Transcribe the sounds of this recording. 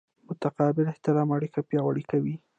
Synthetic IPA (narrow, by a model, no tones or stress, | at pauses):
mʊt̪aqɑbɪlɪht̪ɪɾɑmaɽikapjɑwaɽikawi